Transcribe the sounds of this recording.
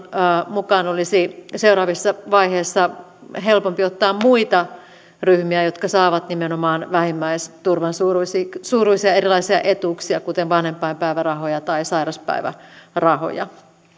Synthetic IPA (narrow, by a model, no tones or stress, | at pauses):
mukɑːnolisiseuɾɑːʋisːɑʋɑiheːsːɑ | ɦelpompiot̪ːɑːmmuit̪ɑ | ryhmiæjot̪kɑsɑːʋɑt̪nimenomɑːnʋæhimːæist̪urʋɑnsuːrusisuːruisiɑeɾilɑisiɑ̰ʔet̪uksiɑkut̪enʋɑnhempːˑɑimpæiʋærɑɦojɑt̪ɑisɑirɑspæ̰iʋæ̰rɑho̰jɑ̰